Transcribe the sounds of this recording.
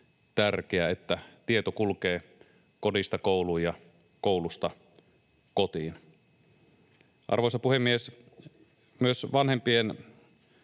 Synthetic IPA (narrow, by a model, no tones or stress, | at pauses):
t̪ærkeæet̪ːæt̪iet̪okulkeː | kodist̪ɑkoˑuluːjjɑ | koulust̪ɑ | kot̪iːn | ʔɑ̰rʋoˑesɑpuhemːies | myøsʋɑnhempien